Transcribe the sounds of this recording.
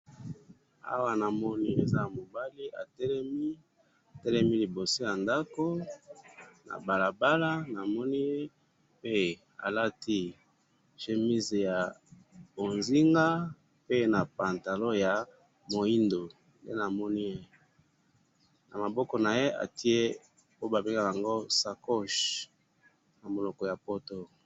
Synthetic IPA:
a̰˦wa˦na˨mɔ˦ni˦e˨za˦˨mo˨ba˦li˦ʔa̰˨tɛ˦lɛ˦mi˦ | a˨tɛ˦lɛ˦mi˦li˨bo˨so˦ja˨nda˦ko˦ | na̰˨ba˨la˨ba˦la˦na˨mɔ˦ni˦je˦ | pe˦ | a̰˨la˦ti˦ | ʃe˨mi˦ze˨ja˨ | bo˨nzi˦ŋɡa˦ | pe˦na˨pa˨nta˨lo˦ja˨ | mo˨i˦ndo˨ | nde˦na˨mɔ˦ni˦je˦ | na̰˨ma˨bɔ˦kɔ˨na˨je˦ʔa̰˨ti˦e˦ | po˦ba˨be˦ŋa˦ja˨ŋɡo˦sa˨kɔ˦˨ʃ | na˨mo˨lɔ˨kɔ˨ja˨po˦to˦

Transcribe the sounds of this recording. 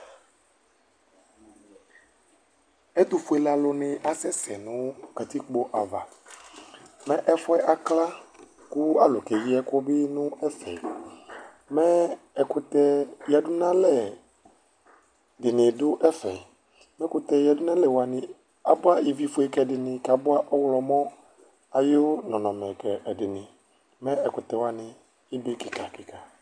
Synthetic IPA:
ɛ˦t̪ʊ˨fʊ˨˦ɛ˨la˨lʊ˨nɪ̃˨ʔa˨sɛ˦sɛ˨nʊ̃˦ka˨t̪i˦k͡po˦ʔa˨va̰˨ | mɛ̃˦ʔɛ˦fʊ˦ɛ˦ʔa˨kla˦ | kʊ˦a˦lʊ˨kɛ˨ji˦ɛ˦kɔ˦bɪ˦nʊ̃˦ɛ˦fɛ̰˨ | mɛ̃˦ | ɛ˨kʊ˦t̪ɛ˦ja˨dʊ˦nã˦lɛ˨ | dɪ˨nɪ̃˨dʊ˦ʔɛ˦fɛ̰˨ | mɛ̃˦kʊ˨˦t̪ɛ˨ja˨dʊ˦nã˦lɛ˨wa˨nɪ̃˨ | a˨bʊ˦a˦i˨vi˦fʊ˦ɛ˦kɛ˨dɪ˨nɪ̃˨ka˨bʊ˦a˦ʔɔ˦wlɔ˨mɔ̃˦ | a˨jɪ˦ʊ˦nɔ̃˨nɔ̃˨mɛ̃˨kɛ˨ʔɛ˨dɪ˨nɪ̃˨ | mɛ̃˦ɛ˨kʊ˨t̪ɛ˨wa˨nɪ̃˨ | ɪ˦de˦ki˨ka˨kɪ˨ka˨

